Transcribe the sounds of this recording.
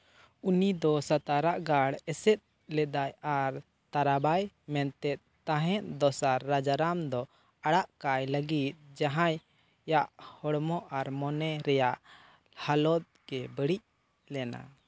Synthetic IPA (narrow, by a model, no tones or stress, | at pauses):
unid̪ɔsat̪aɾaʔɡaɽɛsɛt̪̚ | lɛd̪ajaɾ | t̪aɾabaj | mɛnt̪ɛt̪̚t̪aɦɛ̃ʔ̪d̪ɔsaɾːad͡ʒaɾamd̪ɔ | aɽaʔkajləɡit̪̚d͡ʒaɦãj | jaʔhɔɽmɔʔaɾmɔnɛɾɛjaʔ | halɔt̪̚ɡɛbəɽic̚ | lɛna̰